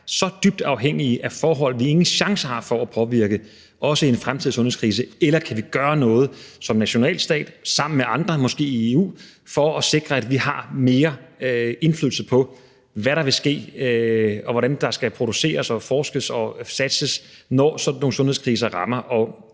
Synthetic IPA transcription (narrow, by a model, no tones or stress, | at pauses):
sɒ̽d̥yb̥̚d̥ɑ̈ʊɦeŋ̰iəʔæfɒːɦɒ̽l̰ʋie̝ŋn̩ɕɑ̈ŋsəhɑ̈fɒ̽æpʰɒ̽ʋiɐɡ̥ə | ʔɒ̽səie̝nfʁamt͡sʰiðˠsɔ̽nhḛskʰʁiːs̬əelɐkʰæʋiɡ̥ɶːɐnɔ̽ːð̞̩ˠsɒ̽mnæɕo̝nɛ̰ːl̥sd̥ɛ̰ːd̥sɑ̈m̰n̩meʔɑ̈nd̥ʁɐmɒ̽sɡ̥e̝̰ːieṵːfɒ̽ːse̝ɡ̥ʁɐæd̥ʋihɑ̈me̝ːɐ | e̝nfly̰ðˠl̩səpʰɒ̽ | ʋæɾɑ̈ʋe̝sɡ̥e̝̰ː | ɒ̽ʋɒɾænd̥ɑ̈sɡ̥æpʰʁo̝d̥use̝̰ːɐsɒ̽fɒːsɡ̥əsɒ̽sæd̥səs | nɒsɒ̽noːŋsɔ̽nhe̝skʰʁiːs̬ɐʁɑ̈mɐʔɒ̽